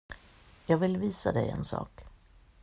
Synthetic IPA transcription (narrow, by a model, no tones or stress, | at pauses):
jɑːɡvɪlviːsad̪ɛjɛ̰nsɑ̰ːk